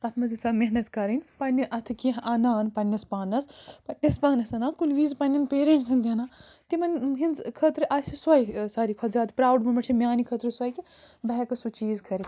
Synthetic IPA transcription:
t̪ɐt̪ʰmɐzisameɦnɐt̪kɐɾɐnʲpɐnʲːiʔɐt̪ʰɨkiɦʔɐnaːnpɐnʲːɐspaːnɐspɐʈnɐspaːnɐsɐnaːkulʋiːzpɐnʲːɐnpeːɾeɳnʈsʰɐnd̪ʲɐnaːt̪imɐnɦinzkʰət̪ɾɨʔaːsiswɐjsɐːɾikʰɔt̪zʲaːd̪pɾaːwɖmɐmɐʈt͡ʃʰimʲaːnikʰɐt̪ɾɨswɐjki | bɐɦɛkɐsut͡ʃiːzkʰɐɾi

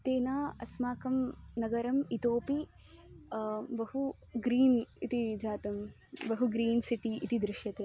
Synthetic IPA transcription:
t̪eːnaːɐsmaːkɐmnɐɡɐɾɐmit̪oːpi | bɐɦu | ɡɾiːnit̪id͡ʒaːt̪ɐm | bɐɦuɡɾiːnsiʈiːt̪id̪ɾɪʃjɐt̪eː

